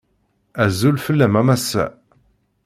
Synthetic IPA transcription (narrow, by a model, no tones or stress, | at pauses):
æzulfəlːæmæmæsːæ̰